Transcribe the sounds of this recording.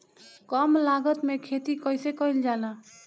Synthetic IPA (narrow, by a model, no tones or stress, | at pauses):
kɔmlaɡət̪mekʰet̪ikəjsekəjld͡ʒalã